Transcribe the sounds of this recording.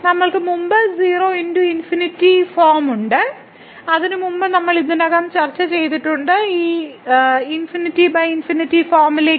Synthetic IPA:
nɐmːɐɭkɨmumbɨziːroːenduinfinitːifoːrmuɳɖɨ | ɐðinɨmumbɨnɐmːɐɭinːɐnɐːɣaːmt͡ɕɐrt͡ɕːɐt͡ɕe̞jt̪iʈːuɳɖɨiː | infinitːibɐjinfinitːifoːrmile

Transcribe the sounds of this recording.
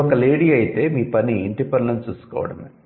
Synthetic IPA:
ɔkɐleːɽiːɐjit̪e̞ːmiːpɐniiɳʈipɐɳɖɐɲt͡ʃuːsu̥kɔ̰ːʋɐ̰ɽɐ̰nd̪i

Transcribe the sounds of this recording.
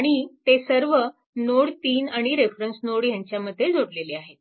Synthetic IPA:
aɽ̃it̪esəɾʋə | noɽt̪iːnaɽ̃iɾefɾənsnoɽjaɲt͡ɕjaməd̪ʱːjed͡zoɽleleaɦet̪̚

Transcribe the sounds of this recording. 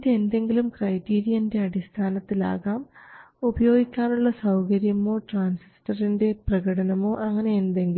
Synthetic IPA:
iðeend̪e̞ŋɡilumkrɐjtiːɾijɐnde̞ɐɽist̪ʰaːnɐt̪ːila̰ːɣaːm | ubɐjo̞ːɡikʲːaːnuɭːɐsɐwkɐɾjɐmo̞ːʈraːnsistɐrinde̞prɐɣɐɽɐnɐmo̞ːʔɐŋːɐne̞ːnd̪e̞ŋɡil

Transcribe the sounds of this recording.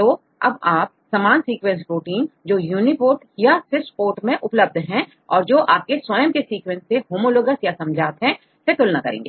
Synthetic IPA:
t̪oː | ɐ̰baːp̚saːmaːnsiːkwɛ̃nsɾoːʈiːnd͡ʒoːjuːnipoːʈjasɪsʈpoːʈmẽʔʊpləb̚d̪ʱɦɛ̃ | ɔːɾd͡ʒoːʔaːp̚keswɐjəmkesiːkwɛ̃nsːeɦoːmoloːɡəsjasɐ̃md͡ʒʱaːt̪ɦɛ̃ | sek̪ʊlnakɐɾḛ̃ːŋɡḛː

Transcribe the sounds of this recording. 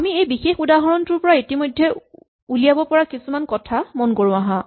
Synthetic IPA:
amiejbixexudaɦɔɹɔntʊɹpɔɹaitimojdʱːɛ | ulijabɔpɔɹakisumankɔtʰamɔnkoɹʊ̃aɦã

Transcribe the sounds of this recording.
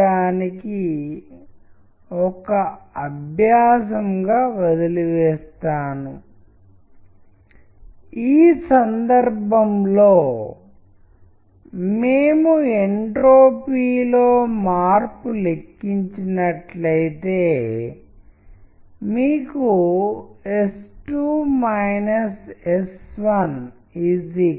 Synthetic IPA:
aːniki | ɔkɐɐbʱjaːsɐmɡaːʋɐd̪iluʋɛːst̪aːnu | iːsɐnd̪ɐɾbʱɐmlo̞ː | meːmueɳʈɾoːpiːlo̞ːmaːɾpule̞kːiɲt͡ʃinɐʈlɐjt̪e̞ː | miːku | esʈuːmɐjnɐsesʋɐn | idi

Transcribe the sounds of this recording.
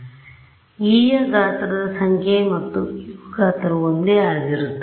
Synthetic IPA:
iːjɐɡaːt̪ɐɾɐd̪ɐsɐŋkʰjemɐt̪ːuɡaːt̪ɐɾɐond̪eaːɡiɾut̪ː

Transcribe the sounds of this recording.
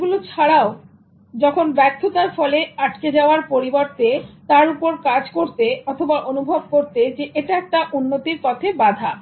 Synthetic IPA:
ɡulot͡ɕʰaɽao | d͡ʑɔkʰonbɛkt̪ʰːot̪aɾfɔleaʈked͡ʑaoaɾpoɾiboɾt̪et̪aɾupoɾkad͡ʑkoɾt̪eɔt̪ʰobaʔonubʱob̚koɾt̪ed͡ʑeʔeʈaɛk̚ʈaʔunːot̪iɾpɔt̪ʰebad̪ʱa

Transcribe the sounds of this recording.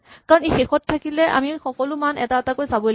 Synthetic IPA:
kaɹɔnejxexɔttʰːakilɛʔa̰mixɔkɔlʊmanɛ̰taɛtakojsabɔ

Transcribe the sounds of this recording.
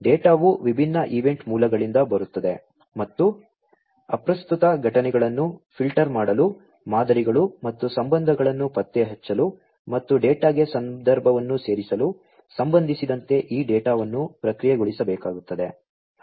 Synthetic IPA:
ɖeːʈaːʋuʋibʱinːɐʔiʋe̞ɳʈmuːlɐɡɐɭind̪ɐbɐɾut̪ːɐd̪e̞ | mɐt̪ːu | ɐ̰pɾɐst̪ut̪ɐɡʱɐʈɐnɛɡɐɭɐnːupʰilʈɐɾmaːɽɐlu | maːd̪ɐɾiɡɐɭumɐt̪ːusɐmbɐnd̪ʱɐɡɐɭɐnːupɐt̪ːeɦɛt͡ʃːɐlu | mɐt̪ːuɖeːʈaːɡesɐnd̪ɐɾbʱɐʋɐnːuse̞ːɾisɐlu | sɐmbɐnd̪ʱisid̪ɐnt̪e̞ʔiːɖɛːʈaːʋɐnːupɾɐkɾijeɡuɭisɐbɛːkaːɡut̪ːɐd̪e̞

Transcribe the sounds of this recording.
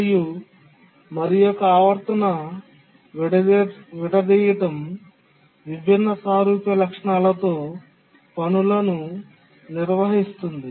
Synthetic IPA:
ju | mɐɾijɔkɐaːʋɐɾt̪ɐnɐ | ʋiɽɐd̪iːjɐʈɐm | ʋibʱinːɐsaːɾuːpjɐlɐkʂɐɳaːlɐt̪o̞ː | pɐnulɐnu | niɾʋɐɦist̪und̪i

